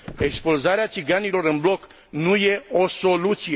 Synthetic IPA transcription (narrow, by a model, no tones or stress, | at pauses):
e̞kspulzaɾeat̪siɡanilo̞ɾɨnblo̞k | nuje̞o̞so̞lut̪sije